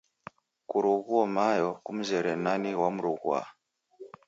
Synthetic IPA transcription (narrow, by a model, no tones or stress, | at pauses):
kuɾuɣuɔmajɔkum̩zɛɾɛnaniwamuɾuɣua̰